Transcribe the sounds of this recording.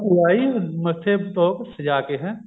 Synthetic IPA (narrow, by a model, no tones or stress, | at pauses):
uaːimɐt̪ʰːet̪oːksɐd͡ʒaːkeɦɛ̃